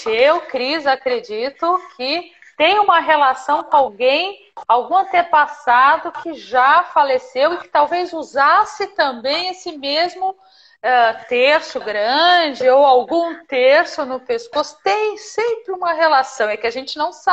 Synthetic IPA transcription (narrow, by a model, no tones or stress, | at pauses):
ewkɾizakɾed͡ʒit̪ʊkʰɪ | t̪ẽj̃ũmɐɦelasɐ̃w̃kõawɡẽj̃ | awɡũɐ̃nt̪epasad̪ʊkʰɪʒafalesewɪkɪ̥t̪awvejzuzasɪt̪ɐ̃mbẽj̃esɪmezmʊ | ɛt̪eɾsʊɡɾɐ̃d͡ʒɪowawɡũt̪eɾsʊnʊpeskosʊ̥t̪ẽj̃sẽpɾɪũmɐɦelasɐ̃w̃ɛkɪaʒẽnt͡ʃɪnɐ̃w̃sa